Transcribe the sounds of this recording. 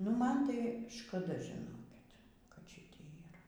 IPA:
nʊ ˈmɐn tɐɪ ʃkɐˈdɐ ʒʲɪˈnoːkʲɪt kɐt ˈʃʲɪtʲeːj iːˈrɐ

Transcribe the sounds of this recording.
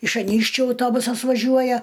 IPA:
ɪʃ ɐˈnʲiːkʃʲt͡ʃʲʊ ɐʊˈtoːbʊsɐs ʋɐˈʒʲuɔjɛ

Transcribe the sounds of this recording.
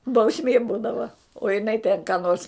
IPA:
bɐʊˈsʲmʲeː ˈbuːdɐʋɐ oː jɪˈnɐɪ tʲeːn kɑː noːrs

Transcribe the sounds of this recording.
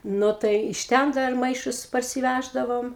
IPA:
ˈnʊ tɐɪ ɪʃ ˈtʲɛn ˈdɐr ˈmɐɪʃʊs pɐrʲsʲɪˈʋʲæʒdɐʋoːm

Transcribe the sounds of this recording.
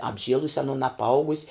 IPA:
ɐbʲˈʒʲiɛlˠʊsʲ ɐˈnʊn ɐpˈɐʊɡʊsʲ

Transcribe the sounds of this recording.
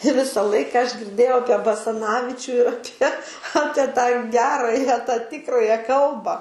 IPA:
ˈʋʲɪsɐ ˈlˠɐɪkɐ ɐʃ ɡʲɪrʲˈdʲeːjɛʊ ˈɑːpʲiɛ bɐsɐˈnɑːʋʲɪt͡ʃʲuː ɪr ɐˈpʲiɛ ˈɑːpʲiɛ tɑː ˈɡʲæːrɑːjɛ tɑː ˈtʲɪkrɑːjɛ ˈkɐlˠbɐ

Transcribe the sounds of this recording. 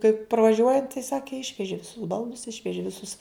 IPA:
kɐɪp prɐʋɐˈʒʲuɔjɛnt tɐɪ ˈsɑːkʲɪ ɪʃʲʋʲɛʒʲɪ ʋʲɪˈsʊs ˈbɐlˠdʊs ˈɪʃʲʋʲɛʒʲɪ ʋʲɪˈsʊs

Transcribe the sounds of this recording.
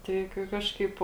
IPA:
ˈtɐɪ kɐɪ ˈkɑːʃkɐɪp

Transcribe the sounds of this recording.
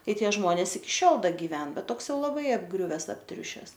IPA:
ˈtɐɪ ˈtʲiɛ ˈʒmoːnʲɛs ɪkʲɪ ˈʃʲoːlˠ ˈdɐ ɡʲɪˈʋʲɛn ˈbʲɛt ˈtoːks ˈjɛʊ lˠɐˈbɐɪ ɐbˈɡrʲʊʋʲɛs ɐpʲˈtʲrʲʊʃʲɛs

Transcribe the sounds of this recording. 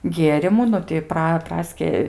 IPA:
ˈɡʲiɛrʲɪmuː ˈnʊ tʲɪ ˈprɐ ˈprɑːsʲkʲɪ

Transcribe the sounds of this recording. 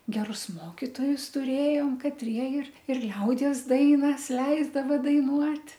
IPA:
ɡʲɛˈrʊs ˈmoːkʲɪtoːjʊs tʊˈrʲeːjoːm kɐtʲˈrʲiɛ ɪr ɪr ˈlʲɛʊdʲiɛs ˈdɐɪnɐs ˈlʲɛɪzdɐʋɐ dɐɪˈnuɔtʲ

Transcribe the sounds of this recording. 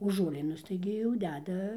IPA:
oː ʒuɔˈlʲiːnʊs tɐɪɡʲɪ jɛʊ ˈdʲæːdɐ

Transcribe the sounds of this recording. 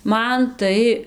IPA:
ˈmɐn ˈtɐɪ

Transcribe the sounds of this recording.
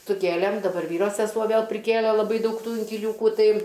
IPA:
sʊˈkʲeːlʲeːm dɐˈbɐr ˈʋʲiːroː sʲɛˈsuɔ ˈʋʲeːlˠ pʲrʲɪˈkʲeːlʲɛ lˠɐˈbɐɪ ˈdɐʊk ˈtuː ɪŋʲkʲɪlʲuːkuː ˈtɐɪ

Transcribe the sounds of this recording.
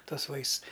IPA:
ˈtuɔs ˈʋɐɪsts

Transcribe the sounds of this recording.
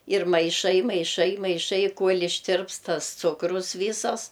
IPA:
ɪr mɐɪˈʃɐɪ mɐɪˈʃɐɪ mɐɪˈʃɐɪ ˈkuɔlʲ ɪʃʲˈtʲɪrpst ˈtɐs ˈt͡sʊkrʊs ˈʋʲiːsɐs

